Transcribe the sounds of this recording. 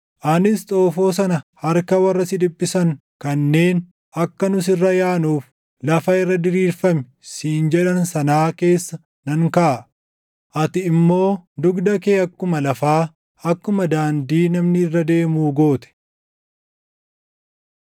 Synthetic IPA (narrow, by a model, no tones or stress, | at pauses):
ʔɐnɪst̪ʼo̞ːfo̞ːs̬ɐnɐhɐɾkɐwɐrːɐsɪd̪ɪbːɪsɐŋkɐnːe̞ːn | ʔɐkːɐnʊs̬ɪrːɐjaːnuːf | lɐfɐɪrːɐd̪ɪɾiːɾfɐmɛ̥ | siːnd͡ʒɛᶑɐnsɐnaːke̞ːsːɐ | nɐŋkɐʔ | ʔɐt̪ɪɪmːo̞ːd̪ʊɡd̪ɐkeːɐkːʊmɐlɐfaː | ɐkːʊmɐd̪aːnd̪iːnɐmnɪɪrːɐd̪e̞ːmuːɡo̞ːt̪ɛ̥